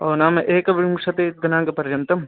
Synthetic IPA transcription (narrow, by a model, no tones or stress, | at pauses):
oːnaːmɐʔeːkɐʋimuʂɐt̪eɡ̪ɐnaːŋɡɐpɐɾjɐnt̪ɐm